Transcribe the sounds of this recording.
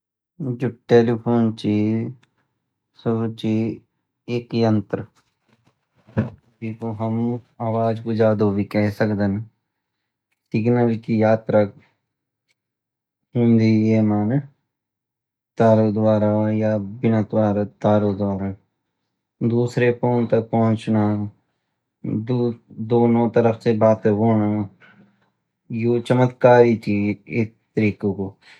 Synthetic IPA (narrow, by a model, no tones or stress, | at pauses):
d͡ʒʊʈeːliːpʰoːnt͡ʃiː | sʊɡt͡ʃiː | ɪkjənt̪ɾ | d͡ʒiːkoːɦəm | aːʋaːd͡ʒkoːd͡ʒaːd̪oːʋiːkɛɦsəkd̪ən | sɪɡnəɾɪt͡ʃijaːt̪ɾək | ɦʊ̃nd̪iːeːmaːn | t̪aːɾod̪ʋaːɾajaːbɪnaːt̪ʋaːɾat̪aːɾod̪ʋaːɾaː | d̪uːsɾepoːnt̪ɐk̚pɐɦʊ̃t͡ʃnaː | d̪d̪oːnõt̪əɾəksebaːt̪eɦoːna | joːt͡ʃəmət̪kaːɾit͡ʃiːɪs | t̪əɾiːkoko